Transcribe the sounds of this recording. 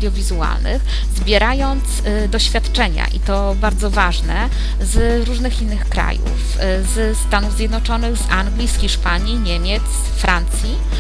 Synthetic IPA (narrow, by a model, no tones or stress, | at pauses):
d̪ʲjɔvʲizua̰lnɘ̰x | zbʲjɛɾajɔnt̪s | d̪ɔɕfʲjat̪t͡ʂɛɲa̰ʔḭt̪ɔ | baɾd̪zɔvaʐnɛ | z | ɾuʐnɘxinːɘxkɾa̰jṵf | z | st̪anuvzʲjɛd̪nɔt͡ʂɔnɘɣzaŋɡlʲisxʲiʂpaɲiɲɛmʲjɛt̪s | fɾʔant̪sʲji